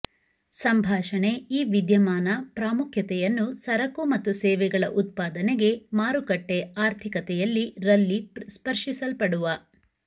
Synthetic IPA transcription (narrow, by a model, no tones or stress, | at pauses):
sɐmbʱaːʃɐɳe̞iːʋid̪jɐmaːnɐpɾaːmukʰjɐt̪ɛjɐnːusɐɾɐkumɐt̪ːusɛːʋɛɡɐɭɐʔut̪̚paːd̪ɐneɡe̞maːɾukɐʈːeaːɾt̪ʰikɐt̪ɛjɐlːiɾɐlːispɐɾʂisɐlpɐɽuʋɐ